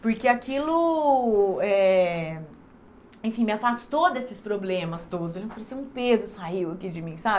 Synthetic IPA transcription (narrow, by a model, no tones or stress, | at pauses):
pʊɾkeakilʊ | ɛ | ẽfĩmɪafast̪od̪esɪspɾoblẽmɐst̪od̪ʊzelfoɾsĩũpezʊsaiwɐkid͡ʒɪmĩsab